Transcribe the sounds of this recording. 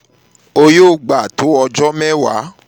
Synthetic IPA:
o˧joː˦˨ɡ͡ba˨to˨˦ɔ˧d͡ʒɔ˦mɛ̃˦wa̰˨˦

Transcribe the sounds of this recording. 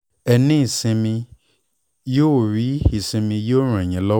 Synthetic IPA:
ɛ˨nĩ˦i˨sĩ˨mĩ˧ | jo˦˨ɾi˨˦i˨sĩ˨mĩ˨je˦o˦ɾ̃ã˨ɲɛ̃˨lɔ˦

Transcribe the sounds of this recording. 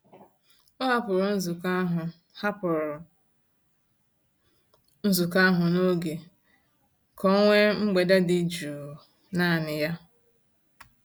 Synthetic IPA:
ʊ˦ɦa˦pʊ˨ɾʊ˨n̩˦zu˨ka˦ɦʊ˨ | ha˦pʊ˨ɾʊ˨ | n̩˦zu˨ka˦ɦʊ˨no˦ɡe˨ | kʰɔ˦ŋʷe˦ŋ͡m̩˦ɡ͡be˨da˦dɪ˨d͡ʒu˨ | na˦˨nɪ˨ja˦

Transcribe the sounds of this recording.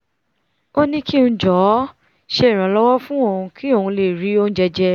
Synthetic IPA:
o˦nĩ˦kʰi˦nũ˧˦d͡ʒɔ˨˦ | ʃe˧i˨ɾ̃ã˨˦lɔ˦wɔ˦fũ˦o˦˨ũ˧kʰi˦o˦˨ũ˧le˨ɾi˨˦o˦nũ˦d͡ʒɛ˧d͡ʒɛ˧

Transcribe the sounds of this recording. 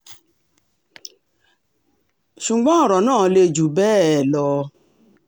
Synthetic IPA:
ʃu˨ɡ͡bɔ̃˨˦ɔ˦˨ɾɔ˨nãː˦˨˦le˧d͡ʒu˨bɛː˦˨lɔ˧

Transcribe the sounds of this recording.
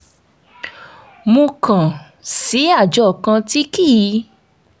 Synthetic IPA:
mõ˧kã˨ | si˨˦a˦˨d͡ʒɔ˦˨kã˧ti˦ki˦˨ji˨˧˦

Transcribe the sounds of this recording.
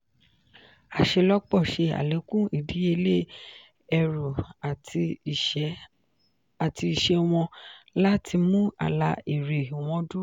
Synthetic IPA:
a˨ʃe˧lɔ˦k͡pɔ˦˨ʃe˧a̰˨le˨˦kũ˦i˦˨di˨˦e˧le˦ | ɛ˧ɾu˨˧˨ | a˨ti˧i˨ʃe˧w̃ɔ̃˧la˦tʰi˧mũ˦a̰˦˨la˧i˨ɾe˨w̃ɔ̃˨˧du˦

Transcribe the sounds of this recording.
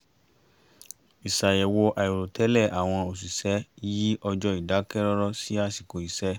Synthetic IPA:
i˨sa˨jɛ˨wo˧ʔa˨i˨ɾo˨tʰɛ˨˦lɛ˦˨ʔa˨w̃ɔ̃˧o˨s̬i˨sɛ˨˦ji˦ʔɔ˧d͡ʒɔ˧i˨da˨˦kɛ˦ɾɔ˦ɾɔ˦si˦a˧si˨ko˨i˨sɛ˨˦

